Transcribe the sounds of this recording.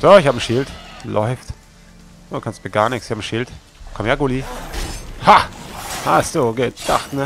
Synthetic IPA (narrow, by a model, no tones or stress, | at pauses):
z̥oɪçhaːbn̩ʃɪltlʔɔʏft | ʔokʰanstmiɐɡaːɐnɪçksɪçhab̩ʃɪlt | kʰɔmjaɡʊli | hahasoːɡeːtd̥aχtnə